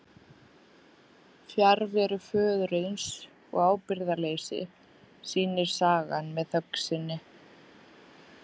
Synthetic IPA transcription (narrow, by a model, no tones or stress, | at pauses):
fjaɾvɛɾʏfœːðɾeɥns | ɔ̰ɣaːwpɪɾðaleːjsɪ̰ | siːnɪɾ̥saːɣanmɛðθœksɪnːɪ